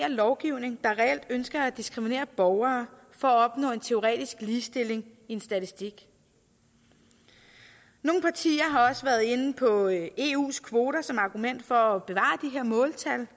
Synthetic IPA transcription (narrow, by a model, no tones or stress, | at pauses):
ɐlɒʊɡ̥iʊ̰ne̝ŋd̥ɑ̈ʁɛel̰d̥ønsɡ̥ɐæd̥isɡ̥ʁimine̝̰ːɐb̥ɒʊɐː | fɒ̽æɒ̽b̥nɔ̰̽ːe̝nt͡sʰe̝o̝ʁɛ̰ːd̥isɡ̥liːsd̥e̝le̝ŋie̝nsd̥æt͡sʰisd̥iɡ̥ | no̝ːŋn̩pʰɑ̈t͡sʰḭːɐɦɑ̈ɒ̽səʋæːɐð̩ˠe̝npʰɒ̽e̝ːṵːskʰʋo̝ːɾɐsɒ̽mɑ̈ɡ̥umen̰d̥fɒ̽æb̥e̝ʋɑ̰̈d̥iɦe̝ɐ̰mɔ̽ːlt͡sʰæl